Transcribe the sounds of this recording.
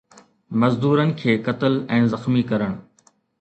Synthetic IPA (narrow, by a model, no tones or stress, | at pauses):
mɐzd̪uːɾənɪ̆kʰeːkɐt̪əlɛ̃ːzɐxmikɐɾəɽ̃